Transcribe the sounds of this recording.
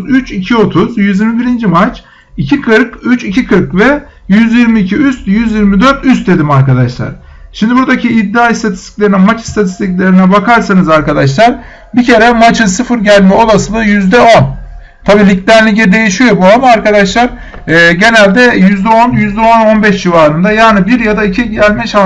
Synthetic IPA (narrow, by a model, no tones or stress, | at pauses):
zyt͡ʃicʰio̞t̪ʰuzjyzjiɾmibiɾind͡ʒimat͡ʃ | icʰikʰɯɾkyt͡ʃicʰikʰɯɾkvɛ | jyzjiɾmiːcʰiyst̪jyzjiɾmid̪øɾt̪yst̪̚d̪e̞d̪imaɾkad̪aʃlˠa̰ɾ̥ | ʃimd̪ibuɾd̪acʰiːd̪ːaːist̪ʰat̪ʰi̥st̪ʰi̥cʲlʲe̞ɾinɛmat͡ʃi̥st̪ʰat̪ʰi̥st̪iclʲe̞ɾinɛbakʰaɾsanɯzaɾkad̪aʃ̬lˠaɾ | bicʰe̞ɾɛmat͡ʃʰɯnsɯfɯɾɟælʲmɛo̞lˠasɯlˠajyzd̪ɛo̞n | t̪ʰabiːlʲicd̪ʲæɾlʲicɛd̪e̞jiʃijo̞buamaːɾkad̪aʃlˠaɾː | ɟe̞nælʲd̪ɛjyzd̪ɛo̞njyzd̪ɛo̞no̞nbɛʃd͡ʒivaːɾɯnd̪ajaːnibiɾjad̪aicʰiɟælʲmɛʃa